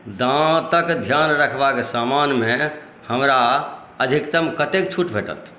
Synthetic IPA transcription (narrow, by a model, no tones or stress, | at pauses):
d̪ãt̪əkd̪ʱjanɾəkʰbakesamanme | həmɾa | əd̪ʱikt̪əmkət̪ek̚t͡ʃʰuʈbʱeʈə̰t̪ʰ